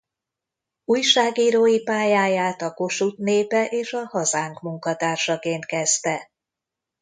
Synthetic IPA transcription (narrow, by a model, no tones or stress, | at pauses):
uːjʃaːɡiːɾoːjipaːjaːjaːt̪ɒko̞ʃut̪neːpɛʔeːʃɒhɒzaːŋkmuŋkɒt̪aːrʃɒkeːnt̪̚kɛzt̪ɛ